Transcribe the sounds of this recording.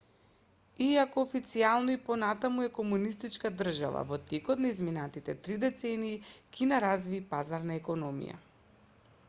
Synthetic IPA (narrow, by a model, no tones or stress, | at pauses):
iakɔːfit̪sialˠnɔipɔnat̪amuɛkɔmunist̪it͡ʃkad̪r̩ʒa̰va̰vɔt̪ɛkɔt̪naizminat̪it̪ɛt̪ɾid̪ɛt̪sɛniːkinaɾazviːpazaɾnaɛkɔnɔmḭja̰